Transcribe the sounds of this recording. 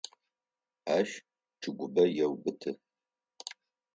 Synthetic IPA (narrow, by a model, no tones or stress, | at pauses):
aːʃ | ʈ͡ʂʰɨɡʷʊbɐjɛwbɨtʰɨ